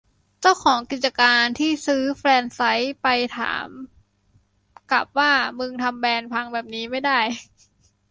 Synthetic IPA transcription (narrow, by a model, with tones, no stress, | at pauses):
t͡ɕa˥˩wkʰɔː˩˦ŋki˨˩t̪̚t͡ɕa˧kaː˧nt̪ʰiː˥˩sɯː˦˥fɾɛː˧nsa˦˥jpa˧jt̪ʰa̰ː˩˦m | kla˨˩p̚waː˥˩mɯ˧ŋt̪ʰa˧mbɛː˧npʰa˧ŋbɛː˨˩p̚niː˦˥ma˥˩jda˥˩j